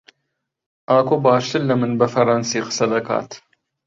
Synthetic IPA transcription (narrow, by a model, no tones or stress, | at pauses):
ʔaːkubaːʃt̪əlːɐmənbafɐɾˤɑnsiːqsɐd̪ɐka̰ːt̪